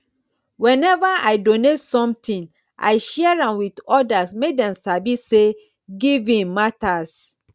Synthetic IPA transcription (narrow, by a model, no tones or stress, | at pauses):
wɛ̃nɛvaaɪdonetsɔ̃mtĩn | ʔa̰ɪʃɛaɹãnwitɔdasmedɛ̃msabise | ɡivĩnmatas